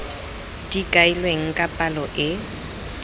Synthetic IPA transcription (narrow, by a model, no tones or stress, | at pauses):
d̥ikʼailweŋ̩kʼapʼalɔʔɪ